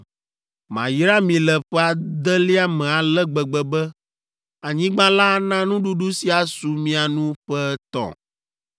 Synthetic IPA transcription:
mã˨ji˦ɾa˦mĩ˨lɛ˨ɸɛ˦a˨d̪ɛ˦li˦a˦mɛ̃˨a˨lɛ˦ɡ͡bɛ˨ɡ͡bɛ˨bɛ˦ | a˨ɲĩ˦ɡ͡bã˦la˦nã˦nũ˦ɖu˦ɖu˦si˦a˨su˨mĩ˦a˨nũ˦ɸɛ˦t̪ɔ̰̃˨

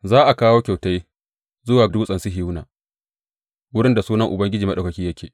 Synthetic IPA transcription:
zaː˦ʔa˨kaː˦woː˦kʲa˨wta˦j | zʊ˦waː˨duː˦sʼɐ˨nsi˦ɦɪ˦wnaː˨ | wʊ˦ɽɪ˦nda˨suː˦nɐ˦ŋʔʊ˨bɐ˦ŋɡʲɪ˦d͡ʒiː˨mɐ˦ɗa˨kɐ˨kʲiː˦jɐ˦kʲeː˨

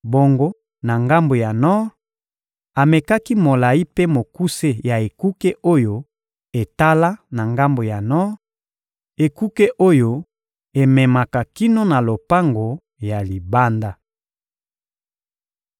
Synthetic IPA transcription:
bo˨ŋɡo˦ | na˨ŋɡa˦mbo˨ja˨nɔ˦ʁ | a˨me˨ka˦ki˦mo˨la˨i˦pe˦mo˨ku˦se˦ja˨e˨ku˦ke˦ʔo˦jo˦ | e˨ta˦la˦na˨ŋɡa˦mbo˨ja˨nɔ˦ʁ | e˨ku˦ke˦ʔo˦jo˦ | e˨mɛ˨ma˨ka˨ki˦no˦na˨lo˨pa˦ŋɡo˨ | ja˨li˨ba˦nda˦

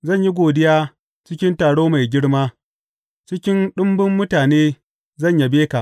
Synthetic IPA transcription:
zɐ˦˨ɲji˦ɡʷoː˨dɪ˦jaː˦ | t͡ʃɪ˦kʲɪ˦ntaː˨ɽoː˦ma˨jɡʲɪ˦ɽmaː˦ | t͡ʃɪ˦kʲɪ˦nɗʊ˦mbʊ˦mːʊ˦taː˨neː˦ | zɐ˦˨ɲja˨beː˦ka˨ʔ

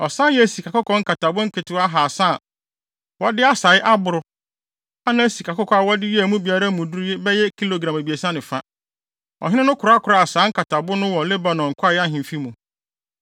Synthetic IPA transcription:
ɔ˨sã˦jɛ˦˨si˨kʰa˨kʊ˦kʰɔ̃˦ŋ̩˦ka˨ta˨bʊ˦ŋ̩˦kʰɪ˨tɪ˦a˦ɦaː˨sa˦˨ | wɔ˦dɪ˦a˦sa˨˦ɪ˦ʔa˦bʊ˨ɾʊ˨ | a˦nã˦si˨kʰa˨kʊ˦kʰɔ˦a˨wɔ˦dɪ˦jɛ˦æ˨mũ˦bi˨a˦ɾa˦mũ˨du˦ɾje˦bɛ˦jɛ˦kʰi˦lo˨ɡɾã˨me˨bi˨e˨sã˦nɪ̃˨fã˦ | ɔ̰˨ɦɪ̃˦ɪ̃˦nʊ̃˦kʰʊ˨ɾa˦kʰʊ˨ɾa˨a˨saː˨˦ŋ̩˦kʰa˨tʰa˨bʊ˦nʊ̃˦wɔ˨le˦ba˨nɔ̃˨ŋ̩˨kʰʷa˦ja˦ɦɪ̃˨m˨fi˦mũ˨

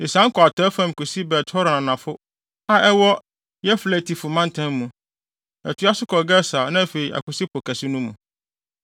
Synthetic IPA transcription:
ɪ˨sã˨˦kʰɔ˨a˨tʰɔ˨˦fã˦m˨kʊ˨si˦bɛ˨tʰɔ˦ɾnã˨nã˨fʊ˦ | a˦ʔɛ˦wɔ˦ | jɛ˦flæ˨tʰi˨fʊ˨mã˦n˦tʰã˦mː˦ũ˨ | ɛ̰˨tʰʊ˦a˦sʊ˦kʰɔ˨ɡɛ˦sa˨nã˦˨fe˨i˨ʔa̰˨kʊ˨si˦pʰʊ˨kʰæ˨sɪ˦nũ˦mũ˨

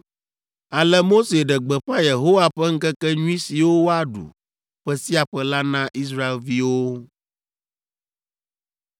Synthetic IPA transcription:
a˨lɛ˦mo˦se˨ɖɛ˨ɡ͡bɛ˨ɸã˦je˨ɦo˦wa˨ɸɛ˦ŋ̩˦kɛ˦kɛ˦ɲũ˦i˦si˨wo˦wo˦a˦ɖṵ˨ | ɸɛ˦si˦a˨ɸɛ˦la˦nã˦ʔi˦s̬ɾa˦e˨lvi˦wo˦

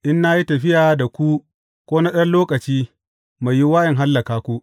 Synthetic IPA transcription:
ʔɪ˦nːa˦ji˦tɐ˨ɸɪ˦jaː˨da˨kʷu˦ | kʷoː˦na˦ɗɐ˦nloː˦kʼɐ˨t͡ʃiː˦ | ma˨jːi˦waː˦jɐ˨ŋɦa˦lːɐ˨kaː˦kʷu˦ʔ

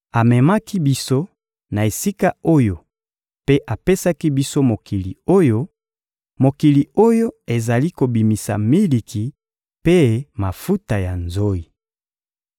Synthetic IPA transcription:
a˨mɛ˨ma˦ki˦bi˦so˦ | na˨e˨si˦ka˦o˦jo˨ | pe˦ʔa˨pe˦sa˦ki˦bi˦so˦mo˨ki˨lḭ˨o˦jo˦ | mo˨ki˨li˨o˦jo˦e˨za˨li˦ko˨bi˨mi˨sa̰˨mi˦li˨kʰi˨ | pe˦ma˨fu˦ta˨ja˨nzo˦i˨

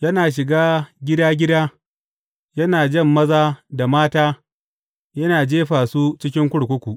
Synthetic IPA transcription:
jɐ˦naː˨ʃ̬ɪ˨ɡaː˦ɡʲɪ˦daː˦ɡʲɪ˦daː˦ | jɐ˦naː˨d͡ʒɐ˦˨mːɐ˦zaː˦da˨maː˦taː˦ | jɐ˦naː˨d͡ʒeː˦ɸaː˨suː˦t͡ʃɪ˦k̬ʲɪ˦ŋkʷʊ˦ɽkʷʊ˦kʷu˨ʔ

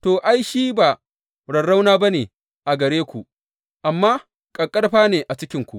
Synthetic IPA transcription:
toː˨ʔa˦jʃiː˦ba˨ | ɽɐ˨ɽa˦wnaː˦bɐ˦neː˨ | ʔa˨ɡɐ˨ɽeː˦kʷu˨ʔ | ʔa˨mːaː˦ | kʼɐ˨kʼɐ˦ɽɸaː˦neː˨ʔa˨t͡ʃɪ˦kʲɪ˦ŋkʷu˨ʔ

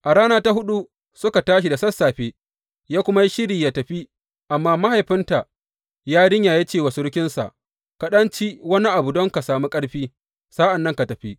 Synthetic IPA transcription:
ʔa˨ɽaː˦naː˦ta˦ɦʊ˦ɗu˦ | sʊ˦ka˨taː˦ʃ̬i˨da˨sɐ˦sːaː˨ɸeː˦ | jaː˦kʷʊ˦ma˦ji˦ʃɪ˦ɾiː˨ja˦tɐ˨ɸi˦ | ʔa˨mːaː˦ma˦ha˨jɸɪ˦nta˨ʔ | jaː˦ɽɪ˦ɲja˨ja˦t͡ʃeː˦˨wa˨su˦ɾɪ˦kʲɪ˦nsa̰˨ʔ | ka˨ɗɐ˦nt͡ʃi˦wɐ˦ni˦ʔa˨bu˨dɔ˦ŋka˨saː˨mu˦kʼɐ˦ɽɸiː˦ | sa˦ʔa˨nːɐ˦ŋka˨tɐ˨ɸi˦

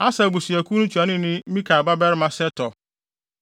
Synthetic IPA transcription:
a˦sa˨bu˨si˨æ˨ku˦nʊ̃˦t͡ʃu˨a˨nɪ̃˦nɪ̃˦mĩ˦kʰa˨ba˦bɛ˦ɾɪ˦mã˨sɛ˦tɔ˨

